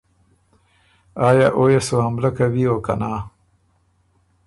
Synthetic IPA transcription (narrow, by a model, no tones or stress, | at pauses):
ɑːjaːʔojasohamlakawioːka̰naː